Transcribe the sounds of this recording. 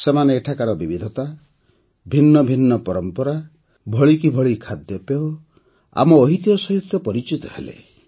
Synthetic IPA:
semaneːʈʰakaɾɔbibid̪ʱɔt̪a | bʱinːɔbʱinːɔpɔɾɔmpɔɾa | bʱɔɭikibʱɔɭikʰad̪jɔpeɔ | a̰mɔːɦit̪ijɔsɔɦit̪jɔpɔɾit͡ʃit̪ɔhḛlḛ

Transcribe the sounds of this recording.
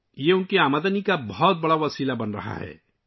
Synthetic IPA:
jeunkeamad̪anikabɔɦɔt̪̚bəɽaʋəsilabənɾə̰ɦa̰ɦɛ̰

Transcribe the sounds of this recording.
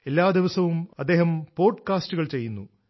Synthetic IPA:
e̞lːaːd̪iʋɐsɐʋumɐd̪ːeːɦɐmpo̞ːɖkaːsʈuɣɐɭt͡ɕe̞jːunːu

